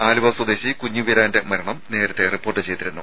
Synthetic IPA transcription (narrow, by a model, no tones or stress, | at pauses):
aːlubɐswɐd̪e̞ːɕikuɲːuʋiɾaːnde̞mɐɾɐɳɐmne̞ːɾɐt̪ːeripːoːrʈːɨt͡ɕe̞jt̪iɾunːu